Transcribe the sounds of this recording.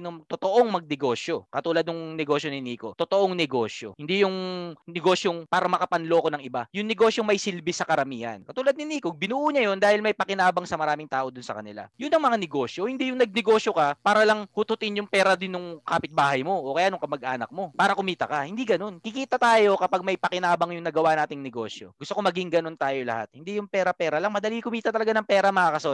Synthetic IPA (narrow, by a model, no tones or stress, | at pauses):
noŋmɐt̪ot̪oʔoŋmɐɡ̚nɛɡo̞ːʃjo̞kɐt̪uːlɐd̪̚nʊŋnɛɡo̞ːʃjo̞nɪniːko̞t̪ot̪oʔoŋnɛɡo̞ːsjo̰hɪnd̪ijʊŋnɛɡo̞ːsjoŋpaːɾɐmɐkɐpɐnlo̞konɐŋɪbajʊŋnɛɡo̞sjoŋmɐjsɪlbɪsɐkɐɾɐmiːhɐ̰nkɐt̪uːlɐd̪̚nɪniːkobɪnuːʔuːɲajond̪aːhɪlmɐjpɐkɪnaːbɐŋsɐmɐɾaːmɪŋt̪aːʔo̞d̪ʊnsɐ̰kɐnɪla̰jʊnːɐŋmɐŋanɛɡo̞sjo̞hɪnd̪iːjʊŋnɐɡ̚nɛɡo̞ːʃjokɐpaːɾɐlɐŋhʊt̪ʊt̪ɪnjʊŋpɛːɾɐd̪ɪnːʊŋkaːpɪt̪̚baːhɐjmo̞ʔokɐjaːnoŋkɐmɐɡ̚ʔa̰ːnɐ̰k̚mo̞paːɾɐkʊmiːt̪ɐkɐhɪnd̪iɡɐno̞nkɪkiːt̪ɐt̪aːjo̞kɐpaɡ̚mɐjpɐkɪnaːbɐŋjʊŋnɐɡɐwanaːt̪ɪŋnɛɡo̞̰sjo̰ɡʊst̪okomɐɡɪŋɡɐno̞nt̪aːjo̞lɐ̰ha̰t̪̚hɪnd̪ijʊŋpɛːɾɐpɛːɾɐlɐŋmɐd̪ɐlikʊmiːt̪ɐt̪ɐlɐɡanɐŋpɛːɾɐmɐŋakɐso